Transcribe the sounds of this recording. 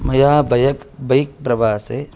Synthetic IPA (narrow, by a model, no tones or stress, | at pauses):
mɐjaːbɐjɐkbɐjk̚pɾɐʋaːse